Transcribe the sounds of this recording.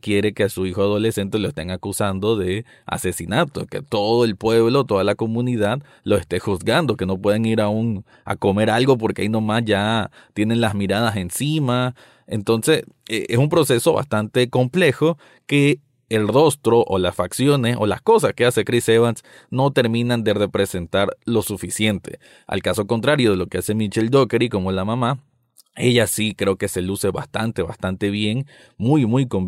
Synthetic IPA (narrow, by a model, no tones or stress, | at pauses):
kje̞ɾekeasuixoaðo̞le̞se̞nt̪eloest̪eŋakusand̪o̞ðe̞ | a̰se̞sinat̪oke̞̰t̪o̞ðoe̞lpwe̞βlo̞t̪o̞ðalako̞mũniðað | lo̞e̞st̪e̞xuzɣand̪o̞ke̞no̞p̬we̞ðeŋiɾauŋ | a̰ko̞me̞ɾalɡo̞p̬o̞ɾkeaijnomasʝa | t̪je̞ne̞nlazmiɾað̞ase̞nsima | ent̪o̞nse̞seʔesumpɾo̞se̞so̞βa̰st̪ant̪e̞ko̞mple̞xo̞ | ke̞ː | lro̞st̪ɾo̞ʔolasfaksjo̞ne̞so̞̰la̰sko̞s̬aske̞ase̞kɾiseβans | no̞t̪e̞ɾmĩnãnd̪e̞ɾre̞pɾe̞se̞nt̪aɾlo̞sufisje̞nt̪e̞̰ | a̰lkaso̞ko̞nt̪ɾaɾjo̞ð̞e̞lo̞ke̞ase̞mit͡ʃeld̪okeɾiko̞molamama | e̞ʝasikɾe̞o̞ke̞se̞luse̞βa̰st̪ant̪e̞βa̰st̪ant̪e̞βje̞ŋ | mujmujko̞m